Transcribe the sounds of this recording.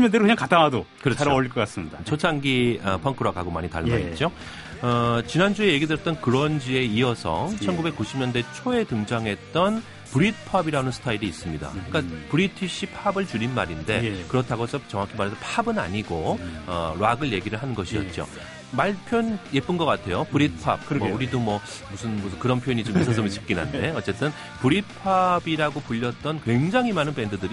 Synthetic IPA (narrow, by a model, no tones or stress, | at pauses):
ɲʌndeɾkeɲaŋkataŋadokɯɾʌaoʌɭk͈ʌk͈as͈ɯmɲidat͡ɕʰot͡ɕʰaŋɡiʌpʰʌŋkʰɯɾwaɡaɡoma̰ɲita̰ɭma̰ɾḭt͡ɕ͈o | ʌt͡ɕinand͡ʑue̞je̞ɡidwejʌt͈ʌnkɯɾʌnd͡ʑie̞iʌsʰʌ̰t͡ɕʰʌnɡube̞k͈ːuɕʰimɲʌnde̞t͡ɕʰoe̞tɯŋd͡ʑaŋɦe̞t̚t͈ʌn | pɯɾit̚pʰabiɾanɯnsʰɯ̥tʰaiɾiːs͈ɯmɲida̰k͈apɯɾitʰiɕ͈ʰipʰabɯɭt͡ɕuɾinma̰ɾinde̞kɯɾʌtʰaɡot͡ɕʌt͡ɕʌŋakʰimaɾɦesʰopʰabɯna̰ɲiɡoʌ̰ɾwaɡɯɭje̞ɡiɾɯɭɦanɯnɡʌɕʰiʌ̰t̚t͡ɕ͈o̰ | maɭpʰjonje̞p͈ɯnɡʌk͈atʰe̞jopɯuɾit̚pʰa̰b̚mʌuɾidomwʌ | musʰɯnmuskɯɾʌnpʰjojɲit͡ɕomisʰʌŋsʰʌmit͡ɕi̥p̚k͈inɦa̰ndde̞ʌtt͡ɕ͈e̞t͈ɯn | puɾit̚pʰabiɾaɡopuʎːʌt̚t͈ʌnkwe̞ŋd͡ʑaŋɦimanɯnpe̞ndɯdɯɾi